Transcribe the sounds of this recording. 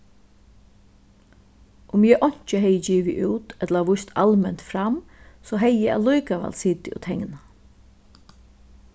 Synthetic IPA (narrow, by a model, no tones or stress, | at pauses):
ʔʊmjɛʔɔɲ̥t͡ʃəɦɛjəd͡ʒiːʋɪʔuːt̪ɛt̪laʋʊst̪ʰalmɛnt̪fɾamsɔɦɛjːɛa̰lujkaʋa̰lsiːt̪ɪʊ̰t̪ʰɛŋna